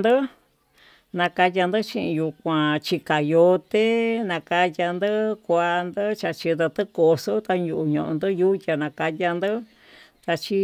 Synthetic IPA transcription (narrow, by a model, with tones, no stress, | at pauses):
d̪ɨ˦ | nã˧ka˧ja˧nd̪ɨ˦t͡ʃĩ˧ʔĩ˧ju˧kʷã˨˧t͡ʃi˧ka˨jo˧t̪e˦nã˧ka˧ja˧nd̪ɨ˦kʷa˧nd̪ɨ˦t͡ʃa˧t͡ʃi˧d̪a˧t̪ɨ˦ko˧so˦t̪a˧ɲu˧ʔu˧ɲõ˧˨ʔõ̰˧nd̪ɨ˦ju˦tʲa˧nã˨˧ka˧ja˧nd̪ɨ˦ | t̪a˧t͡ʃi˦